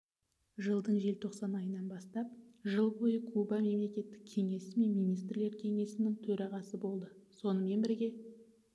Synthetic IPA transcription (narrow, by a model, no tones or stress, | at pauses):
ʒəlˠd̪əɴʒe̞lt̪ʰo̞qsɑnɑjənɑnbɑst̪ɑpʒəlˠbo̞jəkʰubɑme̞mle̞kʲe̞t̪ːɪ̥k̚ʲʰe̞ŋe̞sɪme̞nmijnijst̪ɾle̞ɾkʲʰe̞ŋe̞sɪnɪŋt̪ʰɵɾɑʁɑsəbo̞lˠd̪əso̞nəme̞nbɪɾɡʲe̞